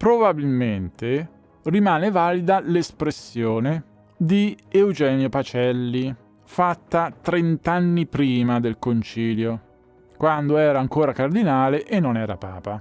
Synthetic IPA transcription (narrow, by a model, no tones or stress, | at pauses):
pɾobabilment̪e | rimaːnevaːlid̪alespɾesːjoːne | d̪iewd͡ʒɛːmjopat͡ʃɛlːi | fat̪ːat̪ɾent̪anːipɾiːmad̪elkont͡ʃiːljo | kwand̪oɛːɾaːŋkoːɾakard̪inaːleʔenːonɛːɾa̰paːpa